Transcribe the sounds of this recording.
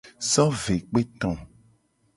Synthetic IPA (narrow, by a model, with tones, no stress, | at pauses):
sɔ˦ve˨k͡pe˦t̪ɔ̃˨